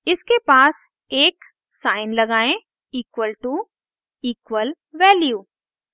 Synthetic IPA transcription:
ɪskepaːs | eːk | saːɪnlɐɡaːẽ | iːkʋəlʈu | iːkʋəl | ʋɛːljuː

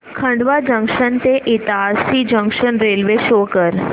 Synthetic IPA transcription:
kʰə̃ɳɖʋad͡ʒə̃ŋkʃənt̪eʔɪt̪asid͡ʒə̃ŋkʃənɾeːlʋeʃokəɾ

